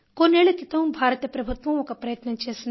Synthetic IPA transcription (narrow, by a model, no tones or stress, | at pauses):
koːneɭikit̪ɐũbʱaːɾɐt̪jɐpɾɐbʱut̪ʋɐ̃ʋõkapɾɐjət̪nɐt͡ʃesn